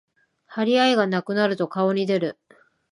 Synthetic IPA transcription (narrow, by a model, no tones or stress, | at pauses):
haɾʲiaiɡanakɯ̟naɾɯ̟t̪o̞kao̞ɲ̟id̪e̞ɾɯ̟